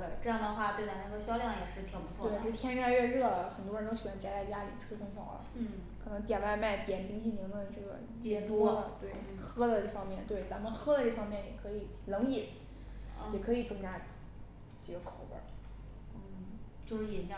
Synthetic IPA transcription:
e˥˧˩ʈ͡ʂɤ˥˧jɑ˥˩d̪ə˩xwa˥˧˩t̪e˥˩ɪt͡sna˧˥ɡ̪ə˧˩ɕjɑ˥ʊljɑ˥˩ŋjɛ˨˩ʂɻ̩˥˩t̪ʰɑ˧˥pu˧˥tʰwwe˥˧˩t̪ʰjɛ˥n˥a˥˧ɥɛ˥˧ɻɤ˥˩xə˨˩nt̪wɔ˥˧˥nt̪o˥ʊɕwa˧˥nt͡ɕa˥t͡sa˥˩ɪt͡ɕja˥li˨˩ʈ͡ʂʰɤ˥ʂʰʊ˥ŋɕʰjɑ̰˨˩ʊlə̰˧˩˥ | kʰɤ˨˩nɤ˧˥ŋt̪̬jɛ˨˩nwa˥˧ɪma˥˩ɪt̪jɛ˨˩npi˥ŋɕʰi˥˩ni˧˥ŋd̪ə˧ʈ͡ʂɤ˥˩ɡə̰˩t͡ɕɛ˥˩t̪wɔ˥˧˩t̪we˥˩ɪ | xɤ˥d̪ə˨ʈ͡ʂɤ˥˩fɑ˥ŋmjɛ˥˩nt̪we˥˩ɪt͡sa˧˥mə˧nxɤ˥d̪ə˧ʈ͡ʂɤ˥˩fɑ˥ŋmjɛ˥˩njɛ˨˩kʰɤ˧˥i˨˩˦ | lɤ˧˥ŋi˨˩˦n | jɛ˨˩kʰɤ˧˥i˨˩t͡sɤ˥ŋt͡ɕja˥ | t͡ɕi˨˧˩ɡə˧kʰo˨˩˦ʊbə̰˧˥˩ | t͡ɕjo˥˧ʊʂɻ̩˥˩i˧˥˩n˥˧

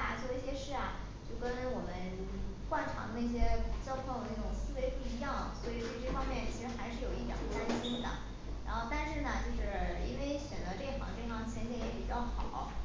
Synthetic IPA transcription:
t͡swɔ˥˩˧ɕjɛ˥ʂɻ̩˥˩a˩ | t͡ɕjo˥˩ʊkə˥nwɔ˨˩mə˦n | kwa˥˩nʈ͡ʂʰɑ̰˧˥ŋd̪ə˧n˥˩ɕ̬jɛ˥t͡ɕjɑ˥ʊt̪ʰwʊd̪ə˩ne˥˩ʈ͡ʂʊ˨˩ŋsɹ̩˥˧we˧˥ɪpu˥˩i˧˥jɑ˥˩ŋswɔ˧˥i˨˩ʈ͡ʂo˥˧ʈ͡ʂfɑ˥ŋmjɛ˥˩nt͡ɕʰi˧˥ʂɻ̩˧˥xa˧˥ɪʂɻ̩˥˧jo˨˩ʊi˥˩jɑ̰˨˩t̪a˥nɕi˥nd̪ə̰˨ | ɻa˧˥nxo˥˧ʊt̪a˥˧nʂɻ̩˥˩nə˩t͡ɕjo˥˧ʊʂɻ̩˥˩ḭ˥nwe˥˩ɪɕɥɛ˨˩nd͡zə˧˥ʈ͡ʂɤ˥˩˥fʰɑ̰˨˩˦ŋʈ͡ʂʰɑ˥ŋ˧t͡ɕʰjɛ˧˥njɛ˧˥jɛ̰˧˥˩pi˨˩t͡ɕjɑ˥˩ʊxɑ˨˩˦ʊ

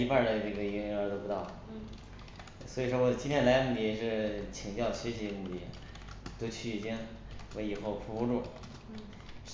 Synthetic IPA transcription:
i˧˥pa˥˧˩d̪ə˩ʈ͡ʂɤ˥˩ɡə˩i˧˥ŋ˧˥ŋə˞˧˥t̪o˥pu˧˥t̪ɑ˥˩ʊ | swɔ˧˥i˨˩ʂwɔ˥wɔ˨˩t͡ɕi˥nt̪ʰjɛ˥nla˧˥ɪmu˥˩i˧˥˩ʂɻ̩˥˩t͡ɕʰi˨˩ŋt͡ɕjɑ˥˩ʊɕɥɛ˧˥ɕi˧˥˧mu˥˧˩t̪i˥˩ | t̪o˥ʊt͡ɕʰy˥˩i˨˩t͡ɕi˥ŋ | wɛ̰˧˥ɪi˨˩xo˥˩ʊpʰu˧˥u˧˥ʈ͡ʂu˥˩

